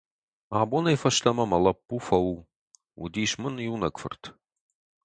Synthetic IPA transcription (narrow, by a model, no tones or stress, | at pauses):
aːbonɐjfɐʃt̪ʰɐmɐmɐlɐpːufɐwu | ṵd̪iːʃmɨnjunɐkfɨ̰rt̪ʰ